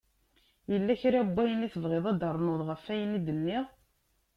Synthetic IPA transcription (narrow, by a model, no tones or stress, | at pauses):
jəlːæçɾabːæjəniθəvʁeðˤæd̪əɾˤnoðˤʁəfːæjənid̪ənːiʁ